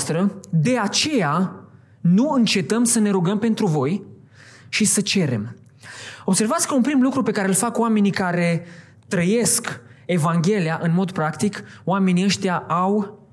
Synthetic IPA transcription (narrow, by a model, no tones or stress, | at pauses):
st̪ɾəd̪e̞at͡ʃe̞ja | nuɨnt͡ʃe̞t̪əmsəne̞ɾuɡəmpe̞nt̪ɾuvo̞j | ʃisət͡ʃe̞ɾe̞̰m | o̞bse̞rvat̪sʲkəunpɾimlukɾupe̞kaɾe̞ɨlfakwame̞nikaɾe̞ | t̪ɾəje̞ske̞vaŋɡʲe̞liaʔɨnmo̞d̪pɾakt̪ikowame̞niəʃt̪jaaw